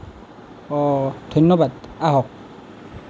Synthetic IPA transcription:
ɔd̪ʱɔjnːɔbad̪aɦɔk̚

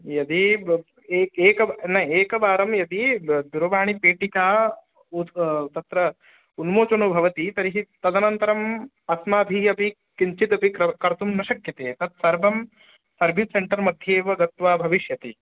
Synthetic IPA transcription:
jɐd̪i | eːeːkɐnɐeːkɐbaːɾɐmjɐd̪id̪uɾɐʋaːɳ̃ipeːʈikaː | ut̪ɐt̪ɾɐ | unmoːt͡ʃɐnubʱɐʋɐt̪it̪ɐɾiɦit̪ɐd̪ɐnɐnt̪ɐɾɐm | ɐsmaːb̪ʱiɐpi | kiɲt͡ʃit̪ɐpikɾɐkɐɾɐt̪umnɐʃɐkjɐt̪eːt̪ɐt̪̚sɐɾbʱɐm | sɐɾbʱisseɳʈɐɾmɐd̪ʱjeːʋɐɡɐt̪ʋaːbʱɐʋiʃjɐt̪i

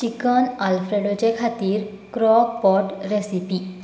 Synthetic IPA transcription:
t͡ɕikənalfɾeɖɔt͡ɕekʰat̪iːɾ | kɾɔk̚pɔʈɾesipi

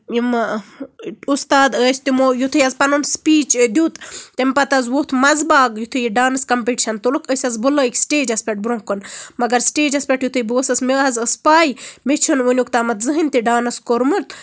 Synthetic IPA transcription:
im | ust̪aːd̪əːsʲt̪imojut̪ʰɨjɐzpɐnunspiːt͡ʃd̪ʲut̪t̪empɐt̪ɐzʋot̪ʰmɐzbaːɡjut̪ʰɨjiɖaːnɐskɐmpeʈiʃɐnt̪olukʰəsʲɐzbulɐikʲsʈeːd͡ʒɐspʲɐʈ̚bɾõŋkonmɐɡɐɾsʈeːd͡ʒɐspʲɐʈjut̪ʰɨjboːsɐsmeːɦɐzəspaːjmet͡ʃʰunʋunʲukt̪aːmɐt̪zɨɦinʲt̪iɖaːnɐskoɾmɨɾt̪

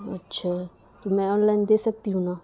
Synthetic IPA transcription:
ɐ̰tːʃʰa | t̪umɛ̃ɔnlajnd̪esɐk̚t̪iɦũna

